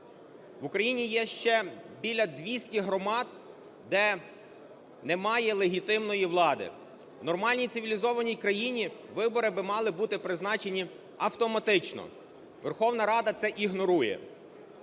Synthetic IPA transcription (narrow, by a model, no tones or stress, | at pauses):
ʋʊkɾɐjinʲijɛʃt͡ʃɛbʲilʲɐd̪ʲʋʲisʲtʲiɦɾɔmɑd̪ | d̪ɛ | nɛmɑjɛlˠeɦʲit̪ɪmnɔjiʋlˠɑd̪ɪ̰ | wnɔrmɑlʲnʲij̪sɪʋʲilʲizɔʋɐnʲijkɾɐjinʲiʋɪbɔɾɪbɪmɑlˠɪbut̪ɪpɾɪznɑt͡ʃenʲi | ɐwt̪ɔmɐt̪ɪt͡ʃnɔ̰ | ʋerxɔwnɐɾɑd̪ɐt̪sɛʔiɦnɔɾujɛ̰